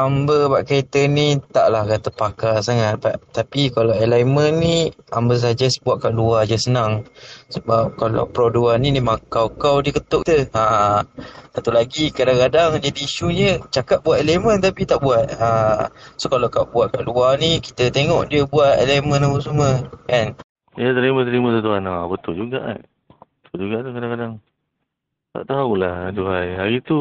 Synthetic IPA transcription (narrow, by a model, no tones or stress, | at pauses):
ambəbaʔkaet̪ənit̪a̰ʔlahkat̪əpakasaŋat̪̚baʔt̪apikalawelajmənːiambəs̬ad͡ʒəsbuaʔ̪̚kaʔluad͡ʒəsənaŋsəbap̚kala̰wpɾɔduaninimakawkawdiəkət̪ʊʔkt̪əa | at̪ulaɡikadaŋkadaŋd͡ʒadiːʃuɲət͡ʃakat̪̚buat̪elemənt̪apit̪aʔbuat̪̚asokalawkawbuaʔ̪̚kaʔluaniki̥t̪ət̪eŋɔʔdiəbuat̪elemə̃napəsuməkan | jat̪əɾimə̃t̪əɾimə̃t̪at̪uanabət̪ʊld͡ʒuɡa̰ʔa̰ | ət̪old͡ʒuɡaʔt̪ukadaŋkadaŋ | t̪a̰ʔt̪aulahduajɦaɾit̪u